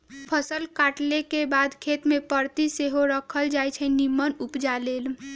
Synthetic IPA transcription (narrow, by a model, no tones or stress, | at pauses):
pʰəsəlkaʈlekebad̪kʰet̪mepəɾt̪iseɦoɾəkʰəld͡ʒajt͡ʃʰənimːənupd͡ʒalel